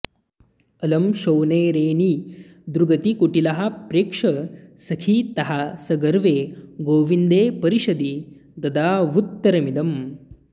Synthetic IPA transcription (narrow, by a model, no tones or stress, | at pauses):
ɐlɐmʃɐwneːɾeːɳi | d̪ɾuɡɐt̪ikuʈilɐɦɐ̆pɾeːkʂɐsɐkʰit̪ɐɦɐsɐɡɐɾʋeːɡoːʋind̪eːpɐɾiʃɐd̪i | d̪ɐd̪aːʋut̪ːɐɾɐmid̪ɐm